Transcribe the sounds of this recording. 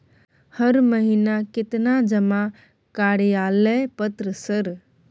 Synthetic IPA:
həɾməɦinakɪt̪nad͡ʒəma | kaɽjaːlɛpət̪ɾəsəɾ

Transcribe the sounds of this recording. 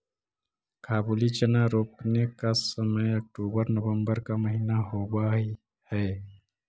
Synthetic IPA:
kʰaːbulit͡ʃənaɾoːpnekasəməjək̚ʈuːbəɾnəʋə̃mbəɾkaməɦinaɦowaɦi | hɛː

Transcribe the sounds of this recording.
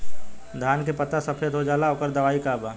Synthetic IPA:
d̪ʱaːnkepɐt̪asɐpʰet̪ɦod͡ʒaːlaoːkəɾd̪ɐʋaːikaːbaː

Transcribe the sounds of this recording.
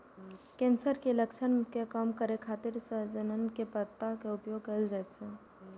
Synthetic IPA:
kẽːnsəɾkeləkt͡ʃʰənkekəmkəɾekʰaːt̪ɪɾsed͡ʒənənkepət̪ːakeʊpjoːɡkəld͡ʒat̪t͡ʃʰe

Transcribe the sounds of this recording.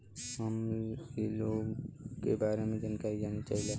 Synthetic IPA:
ɦəmiloɡkebaɾemẽd͡ʒənkaid͡ʒanit͡ʃaɦile

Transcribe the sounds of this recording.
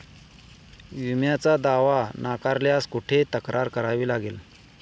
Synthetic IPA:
jumjat͡sad̪aʋanakaɾljaskuʈʰet̪əkɾaɾkəɾaʋiːlaɡel

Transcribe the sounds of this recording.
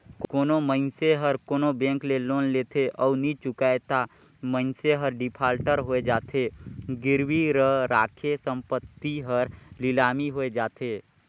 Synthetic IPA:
kkoːnoməɪnseɦəɾkoːnobɛ̃ːŋkleloːnleːt̪ʰeʔɔːnit͡ʃʊkaːet̪a | mə̃ɪnseɦəɾɖɪpʰaːlʈəɾɦoed͡ʒaːt̪ʰeɡɪɾwiɾəɾaːkʰesə̃mpət̪ːiɦəɾlɪlaːmiɦoːed͡ʒaːt̪ʰeː

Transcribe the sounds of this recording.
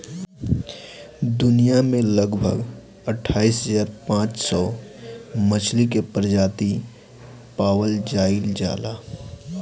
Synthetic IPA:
d̪ʊnijamẽləɡbʱə̰ɡ | əʈʰaːisɦəd͡ʒaːɾpãːt͡ʃsɔ | mət͡ʃʰlikepɾd͡ʒaːt̪i | paːwəld͡ʒaːɪld͡ʒa̰ːla

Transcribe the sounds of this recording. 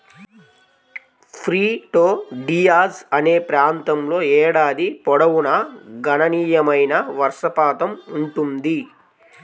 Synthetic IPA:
pʰɾiːʈoːɖijaːsɐne̞ːpɾaːnt̪ɐmlo̞ːɛːɽaːd̪ipɔɽɐʋunɐɡɐnɐniːjɐmɐjnɐʋɐɾʂɐpaːt̪ɐmuɳʈund̪i

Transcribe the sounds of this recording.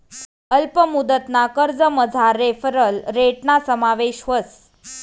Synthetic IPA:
əlpəmud̪ət̪nakəɾd͡zəməd͡zʱaɾefəɾəlɾeʈnasəmaʋeɕʋəs

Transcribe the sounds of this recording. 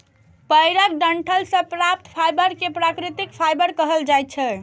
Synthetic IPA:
pəjɾək̚ɖəɳʈʰəlsə̃pɾap̚t̪pʰajbəɾkepɾakɾit̪ikpʰajbəɾkəɦəld͡ʒajt̪̚t͡ʃʰɛ

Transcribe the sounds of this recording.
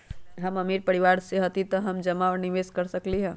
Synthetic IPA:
ɦɐmɐmiːɾpɐɽɪʋaːɾseɦɐt̪it̪oɦɐmd͡ʒɐmaɔɾnɪʋeːskɐɾsɐkliɦɛ̃ː

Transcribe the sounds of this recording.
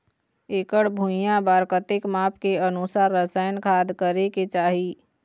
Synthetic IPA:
eːkəɽbʱũjãbaːɾkət̪ɪkmaːpkeənʊsaːɾːəsaːjənkʰaːd̪kəɾeket͡ʃaːɦiː

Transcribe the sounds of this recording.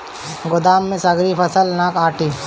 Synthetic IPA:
ɡʊd̪aːmːẽsɐɡɾipʰɐsəlnaːkaːʈʰiː

